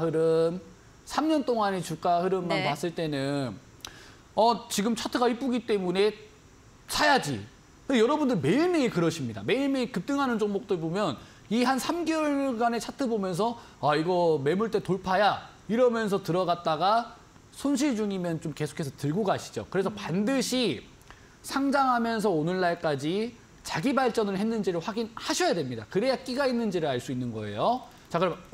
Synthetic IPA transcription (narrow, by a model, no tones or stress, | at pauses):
hɯɾɯm | sʰamɲʌnt͈oŋanet͡ɕuk͈ahɯɾɯmːanmas͈ɯɭt͈e̞nɯn | ʌt͡ɕiɡɯmt͡ɕʰatʰɯɡaip͈uɡit͈e̞mune̞ | sʰajad͡ʑḭ | kɯndejʌɾʌbundɯɭme̞iɭmeikɯɾʌɕʰimɲida̰me̞iɭmekɯp̚t͈ɯŋɦanɯnt͡ɕoŋmok̚t͈ɯɭbomjʌn | iɦansʰamɡjʌɭɡane̞t͡ɕʰatʰɯbomjʌns̬ʰʌ | aiɡʌme̞muɭt͈e̞toɭpʰaja | iɾʌmjʌnsʰʌtɯɾʌɡat̚t͈aɡa | sʰonɕʰiɭd͡ʑuŋimjʌnt͡ɕomke̞sʰo̥kʰesʰʌtɯɭɡoɡaɕʰi̥d͡ʑo̰kɯɾe̞sʰʌpandɯɕʰi | sʰaŋd͡ʑaŋɦamjʌns̬ʰʌonɯɭːaɭk͈ad͡ʑi | t͡ɕaɡibaɭt͡ɕ͈ʌnɯɭhe̞nːɯnd͡ʑiɾɯɭɸwaɡinhaɕʰʌjadwe̞mɲida̰kɯɾejak͈iɡainːɯnd͡ʑiɾɯɭaɭs͈uinːɯnɡʌe̞̰jo | t͡ɕakɡɯɾʌm